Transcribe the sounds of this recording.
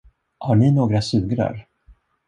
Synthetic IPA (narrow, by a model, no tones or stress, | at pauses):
haɳɪnoːɡɾasʉ̟ːɡɾa̰ɾ